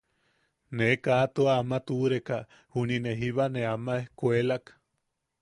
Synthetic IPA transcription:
nekat̪uaamat̪uɾeka | hunineɦiβaneamaehkʷelak

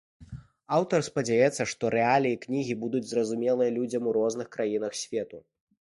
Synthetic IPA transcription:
awt̪ɐrspɐd͡zʲajɛt̪sːɐʂt̪ɔɾɛalʲiiknʲiɣʲibud̪ud͡zʲzɾɐzumʲɛlˠɨjɐlʲud͡zʲɐmuɾɔznɨxkɾajinɐxsʲvʲɛt̪u

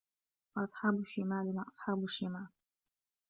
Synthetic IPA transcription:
wɑʔɑsˤħɑːbʊʃimaːlɪnaʔɑsˤħɑːbʊʃimaːl

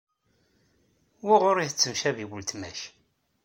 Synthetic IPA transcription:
wiʁʊɾiθət͡sːəmʃæviwəlt̪mæ̰ʃ

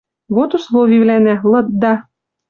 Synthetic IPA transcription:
ɣot̪uslˠovʲiβlænælˠɤ̆t̪̚d̪ɑ

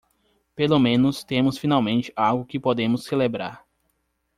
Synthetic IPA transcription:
pelomẽnʊst̪ẽmʊsfinawmẽnt͡ʃɪ̥awɡʊkɪpod̪ẽmʊsːelebɾa̰ɾ

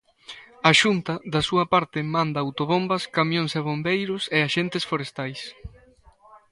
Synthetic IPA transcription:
ɐʃunt̪ɐðɐsuɐpaɾt̪ɪmãnd̪ɐːwt̪oβombɐskamjõnseβombejɾʊseaʃent̪ɪsfoɾest̪ajs

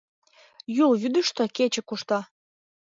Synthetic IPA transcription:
julβyd̪əʃt̪oket͡ɕə̆kuʃt̪ɑ

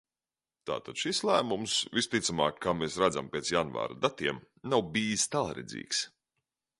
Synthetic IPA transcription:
t̪a̰ːt̪ad̪̥ʃislˠæːmumsvist̪it̪sama̰ːkʰːaːmesɾad̪za̰mpʲeɛsjanva̰ːɾa̰d̪at̪iɛm | nawbiːst̪alˠɾɛ̰d̪zʲḭːks

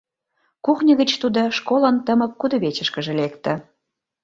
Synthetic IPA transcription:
kuχnʲəɣət͡ɕt̪ud̪oʃkolə̆nt̪əmə̆k̚kud̪ŏβet͡ɕə̆ʃkə̆ʒĕlekt̪ə̆

